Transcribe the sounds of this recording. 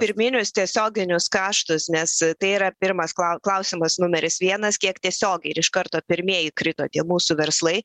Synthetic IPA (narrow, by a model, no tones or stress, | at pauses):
pʲɪɾʲmʲɪnʲʊst̪ʲiɛsʲoːɡʲɪnʲʊskɑːʃt̪ʊsnʲɛst̪ɐɪiːɾɐpʲɪɾmɐskˠɐʊklˠɐʊsʲɪmɐsnʊmʲɛɾʲɪsʋʲiɛnɐskʲiɛkt̪ʲiɛsʲoːɡʲɐɪɾɪʃkɐɾt̪oːpʲɪɾʲmʲiɛjɪkɾʲɪt̪oːt̪ʲiɛmuːsuʋʲɛɾslˠɐɪ